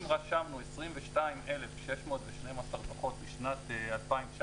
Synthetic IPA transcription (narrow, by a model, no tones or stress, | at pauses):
mʁaʃamnuesʁimveʃtaimʔelefʃeʃmoːt̪veʃnemasaʁbaχo̞t̪̚biʃnat̪ːalpaimvʃ